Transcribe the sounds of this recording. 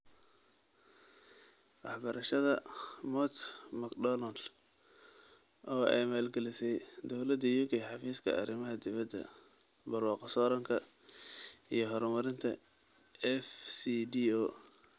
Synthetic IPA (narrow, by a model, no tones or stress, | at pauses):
wɑħbɐɾɐʃɐðɐmɔt̪mɐkdɔlɐnd̪ | ʔɔːʔɛ̰jmaːlɡɐlɪsɛjd̪ɔwlɐd̪ɐjuːkʰɛjħɑfiːskʰɐ̰ɐɾɪmɐɦɐd̪ɪβɐd̪ːɐ̰ | bɐrwɑːqɑsɔːɾɐŋkʰɐ | ijɞɦɔɾmɐɾɪnt̪ʰɐ | ɛfsidiɔː